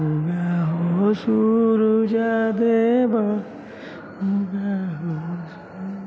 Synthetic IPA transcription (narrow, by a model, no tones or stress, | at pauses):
uɡaɦosuɾud͡ʒad̪eba | uɡaɦo